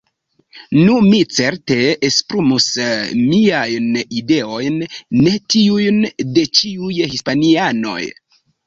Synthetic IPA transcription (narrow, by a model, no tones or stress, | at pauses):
numit͡se̞ɾte̞espɾumusmiajnide̞o̞jnːe̞tiujnde̞t͡ʃiujhispaniano̞̰j